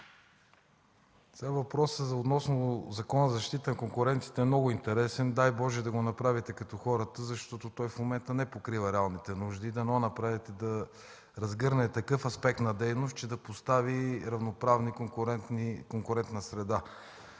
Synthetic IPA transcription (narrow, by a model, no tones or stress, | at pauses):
sɛɡavɐpɾɔsəzot̪nɔsnozɐkɔnəzɐʃt̪it̪ənɐkoŋkʊɾɛnt̪i̥t̪ɛːmnɔɡʊint̪ɛɾɛsɛnd̪ajbɔʒɛd̪ɐɡonɐpɾavit̪ɛkɐt̪ɔxɔɾət̪əzɐʃt̪ɔt̪ot̪ɔjfmomɛnt̪ənɛpokɾivɐɾɛalˠnit̪ɛnuʒd̪iːd̪ɐnɛɔnɐpɾavit̪ɛd̪ɐ | ɾɐzɡɤɾnɛt̪ɐkɤfɐspɛk̚t̪nɐd̪ɛjnost̪̚t͡ʃɛd̪ɐpost̪aviɾɐvnopɾavnikkɾɛkoŋkʊɾɛnt̪nɐsɾɛd̪a